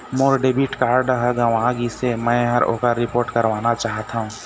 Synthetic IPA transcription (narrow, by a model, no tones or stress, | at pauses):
moːɾɖeːbiʈkaːɾɖəɦəɡəʋãɡisemɛ̃ɦəɾo̰ːkaɾɪpoːɾʈkəɾʋaːnat͡ʃaːɦt̪aɦũ